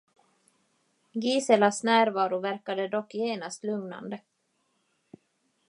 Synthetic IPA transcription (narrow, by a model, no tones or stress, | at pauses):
ɡiːsɛlasnæːɾvɑːɾʊvæɾkad̪əd̪ɔkːjeːnast̪lɵŋna̰nd̪ə